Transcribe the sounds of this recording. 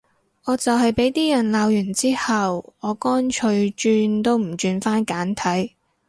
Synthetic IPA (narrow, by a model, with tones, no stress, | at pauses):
ŋɔː˨˧t͡sɐ˨whɐ˨jpe˨˥jt̪iː˥jɐ˨˩nlaː˨˧wjy˨˩nt͡siː˥hɐ˨wɔː˨˧kɔː˥nt͡ʃʰɵ˧ɥt͡ʃyː˧nt̪o˥wm̩˨˩t͡ʃyː˧nfaː˥nkaː˨˥nt̪ʰɐ˨˥j